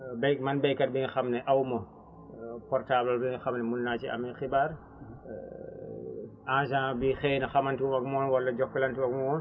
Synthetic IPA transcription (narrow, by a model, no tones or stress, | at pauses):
bɛjkmɐnbɛjkɐt̚biŋxɐmnɛʔɐwmɐ | pɔrtaːblɐlbiŋxɐmnɛmunnaːt͡ʃiɐ̰mixibaːr | ãːʒãːbixɛːjnɐxɐmɐntiɔmɐk̚mɔːnwɐlːɐɟɔkːɐlɐntiwɐkmɔːn